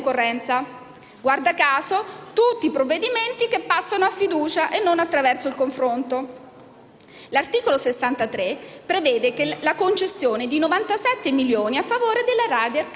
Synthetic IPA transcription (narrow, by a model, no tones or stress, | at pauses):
korːɛnt̪sa | ɡward̪akaːzot̪ut̪ːipɾovːed̪iment̪ikepːasːanoafːid̪uːt͡ʃaʔenːonat̪ːɾavɛrsoilkoɱfɾont̪o | lart̪iːkolosesːant̪at̪ɾepɾevɛːd̪ekelakont͡ʃesːjoːned̪inovant̪asɛt̪ːemiljoːniafːavoːɾed̪elːaɾaːd̪j